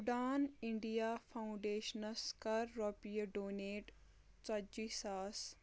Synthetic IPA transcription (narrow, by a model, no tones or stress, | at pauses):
uɖaːniɳɖijaːfʰawũɳɖeːʃɐnɐskɐɾːopijɐɖoːneːʈ | t͡sɐd͡ʒisaːs